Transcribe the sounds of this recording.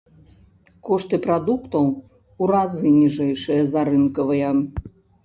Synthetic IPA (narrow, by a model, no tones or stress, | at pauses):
kɔʂt̪ɨpɾad̪ukt̪ɐw | uɾazɨnʲiʐɛjʂɨjɐzaɾɨnkɐvɨjɐ